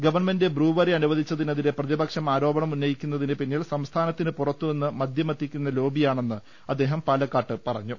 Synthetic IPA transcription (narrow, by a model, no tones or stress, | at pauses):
ɡɐʋɐrɳme̞ndebruːʋɐriɐnuʋɐðʱit͡ɕːɐðinɐðine̞prɐðibɐkʂɐmaːɾo̞ːbɐɳɐmunːɐjikʲːunːɐðinɨpinːiːlsɐmst̪ʰaːnɐt̪ːinɨpurɐt̪ːue̞nːɨmɐd̪ʱjɐmɐt̪ːikʲːunːɐlo̞ːbijaːɳe̞nːɨ | ɐd̪ːe̞ːɦɐmpaːlɐkːaːʈːɨpɐrɐ̰ɲːu